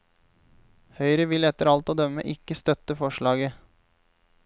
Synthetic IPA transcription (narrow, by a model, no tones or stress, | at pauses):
hœʏɾəʋɪlɛt̪əɾɑlt̪oːd̪œmə̰ʔɪkːəst̪œt̪əfɔʃɭɑːɡə